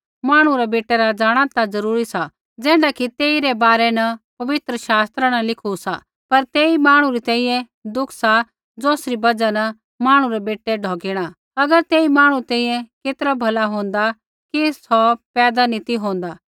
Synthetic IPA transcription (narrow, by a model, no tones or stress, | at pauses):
maːɽ̃ũɾɛbeːʈɛɾad͡zaːɽ̃at̪ad͡zɐɾuːɾisa | d͡zɛ̃ːɖakit̪eːiɾɛbaːɾɛnɐpɐʋɪt̪ɾəʃaːst̪ɾanɐlɪkʰusa̰ | pɐɾt̪eːimaːɽ̃ũɾit̪ɛ̃ːĩjɛ̃ | d̪ʊkʰsa | d͡zoːsɾibɐd͡ʒanɐ | maːɽ̃ũɾɛbeːʈːeɖʱɔːɡɪɽ̃a | ɐɡəɾt̪eːimaːɽ̃ũt̪ɛ̃ːĩːjɛ̃keːt̪ɾabʱɐlaɦõːnd̪a | kisɔpɛːd̪anit̪iɦõːnd̪aː